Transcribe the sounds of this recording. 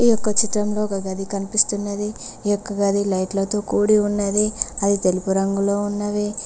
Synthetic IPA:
ijɔkːɐt͡ʃiʈɾɐmloːkɐɡɐd̪ikɐnipist̪unːɐd̪iːjɔkːɐɡɐd̪ʱilɐjʈlɐt̪o̞ːkuːɽiunːɐd̪iɐd̪it̪e̞lupuɾɐŋɡulo̞ːunːɐʋi

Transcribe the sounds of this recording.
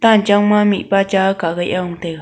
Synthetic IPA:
t̪ant͡ʃaumãmĩʔpat͡ʃakaɣajʔaũt̪eɣa

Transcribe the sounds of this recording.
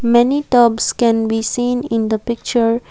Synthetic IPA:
mɛniʈɔːbskɛ̃nbisĩːnɪ̃nd̪əpɪk̚t͡ʃəɾ

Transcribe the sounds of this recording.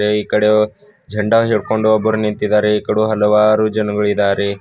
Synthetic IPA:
eiːkɐɽe | d͡ʒʱɐɳɖɐɦeɭko̞ɳɖuɐbːɐɾunint̪id̪aːɾeikɐɽuɦɐlɐʋaːɾud͡ʒɐnɐɡɐɭid̪aːɾe

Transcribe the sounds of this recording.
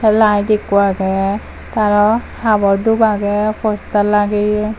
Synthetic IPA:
ɛlajdekuaɡɛ | t̪aɹɔ | habɔɹd̪ubaɡɛpʰɔstalaɡe

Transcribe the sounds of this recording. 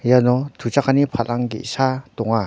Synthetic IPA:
janɔtʰut͡ʃakʰanipʰalʔaŋɡḭʔsatɔŋa

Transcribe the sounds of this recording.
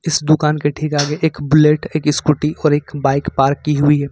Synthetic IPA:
ɪsd̪ʊkaːnkeʈʰiːkaːɡeʔeːkbʊleːʈeːkɪskʊʈiʔɔːɾeːkbaːɪkpaːɾkːiɦʊiɦɛː

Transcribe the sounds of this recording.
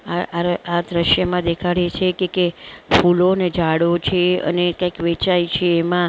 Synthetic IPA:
aaad̪ɾəʃjəmãd̪ekʰaɽet͡ʃʰekekefuloned͡ʒaɽot͡ʃʰeə̰nekãikʋet͡ʃajt͡ʃʰeːmã

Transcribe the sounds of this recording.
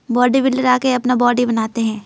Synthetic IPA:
bɔːɖibɪlɖəɾaːkeɐpnabɔːɖibɐnaːt̪eɦɛ̃ː

